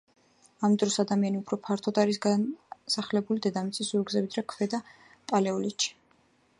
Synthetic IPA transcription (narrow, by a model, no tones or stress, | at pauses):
amd̪ɾɔsad̪amianiupʰɾɔpʰaɾt̪ʰɔd̪aɾisɡasaχlɛbulid̪ɛd̪amit̪sʼisuɾɡzɛvid̪ɾakʰvɛd̪a | pʼalɛɔlit̪ʃi̥